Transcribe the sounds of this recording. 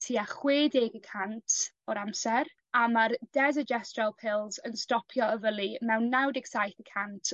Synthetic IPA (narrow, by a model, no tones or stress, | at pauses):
tʰiːaχweːdeːɡəkʰantʰ | ɔɾamsɛr | amard̥ɛzəd͡ʒɛstralˠpʰɪlˠzənstɔpʰjɔəvəlˠimɛwnːawdɪɡsajθəkʰantʰ